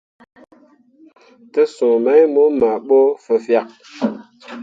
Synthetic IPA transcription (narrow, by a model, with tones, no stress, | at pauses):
tə˦sõ˨mə˨˦jmo˦ma˨ɓo˦fə˨fja˨k̚